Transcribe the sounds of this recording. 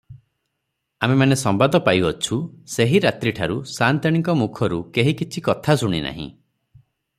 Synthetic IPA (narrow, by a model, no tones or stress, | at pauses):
amemanesɔmbad̪ɔpajɔt͡ʃʰuseɦiɾat̪ɾiʈʰaɾusant̪aɽ̃iŋkɔmukʰɔɾukeɦikit͡ʃʰikɔt̪ʰasuɽ̃ḭna̰ɦḭ̃